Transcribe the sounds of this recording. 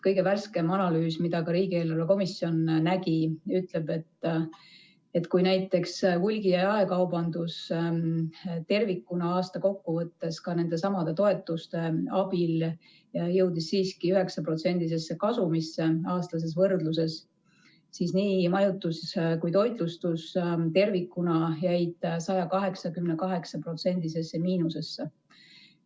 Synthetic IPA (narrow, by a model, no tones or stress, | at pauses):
kɤjɡe̞værske̞mɑnɑlyːsmid̪ɑkɑɾiːɡ̥ie̞ːlɑɾeko̞misːio̞nnæɡiyt̪le̞b̥e̞t̪ː | e̞t̪kujnæjt̪ːˑe̞kshulʲɡiɑɑe̞kɑwbɑnd̪̥us | t̪e̞rvikːˑunɑɑːst̪ɑko̞kːuvɤt̪ːe̞skɑne̞nd̪̥e̞sɑmɑd̪e̞t̪o̞e̞t̪ːˑust̪e̞ɑb̥il | jɑjɤwd̪isːiːskiyɦe̞ksɑpro̞t̪se̞nʲd̪̥is̬e̞sːe̞kɑsumisːeɑːst̪lɑs̬e̞s̬vɤrd̪luse̞s | siːsniːmɑjut̪ːˑuskujt̪o̞jd̪lust̪ust̪e̞rvikːˑunɑjæjd̪̥sɑjɑkɑɦe̞ksɑkymnekɑɦe̞ksɑpro̞t̪se̞nʲd̪ise̞sːemiːnuse̞sːe